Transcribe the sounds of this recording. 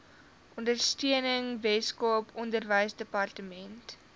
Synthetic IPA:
ʔɔndərstyənəŋvɛskuəpɔndərvəjsdəpɐrtəmɛnt

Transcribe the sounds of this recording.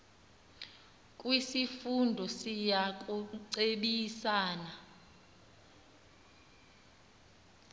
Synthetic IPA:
kʼwisifundʱɔsijak̬ʼuǀeɓisaːna

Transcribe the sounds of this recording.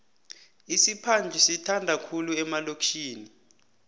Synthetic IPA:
isipʰand͡ɮʱisitʰandʱakʰuluɛmalokʰiːni

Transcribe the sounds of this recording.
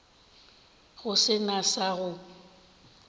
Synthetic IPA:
ɣʊsɪnasaɣʊ

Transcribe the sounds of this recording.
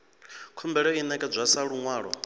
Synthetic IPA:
kʰumbɛɺɛinɛkʼɛd͡zʷasaɺuŋwaːɺɔ̰

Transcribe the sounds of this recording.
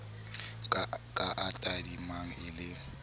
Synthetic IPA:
kʼaʔatʼadimaŋ̩ɪlɪ

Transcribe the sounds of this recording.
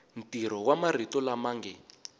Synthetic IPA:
n̩tiɾ̤ɔwamar̤itɔlamaŋɡɛ

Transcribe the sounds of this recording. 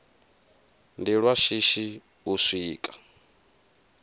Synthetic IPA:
ndiɺwaʃiʃi | usʷiːkʼḁ

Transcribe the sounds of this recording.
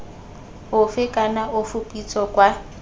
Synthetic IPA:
ɦʊfɪkʼanaʔʊfupʼit͡sʰɔkʼwa

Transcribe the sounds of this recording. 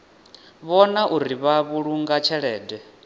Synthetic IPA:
βɔnaʔuɾiβaβuɺuŋɡat͡ʃʰɛɺɛːdɛ

